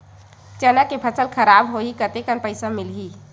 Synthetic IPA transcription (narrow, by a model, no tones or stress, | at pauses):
t͡ʃɛnakepʰəsəlkʰəɾabɦoikət̪ekənpəɪsamɪlɦi